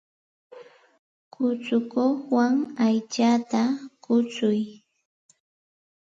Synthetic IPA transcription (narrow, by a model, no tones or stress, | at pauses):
kʊt͡sʊkoχwaŋajt͡ʃat̪akʊt͡sʊj